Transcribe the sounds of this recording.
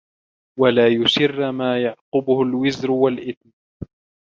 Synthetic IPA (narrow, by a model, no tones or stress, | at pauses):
walaːjʊʃɪrːmaːjɑʕqʊbʊhʊlwɪzɾʊwalʔɪt̪̚n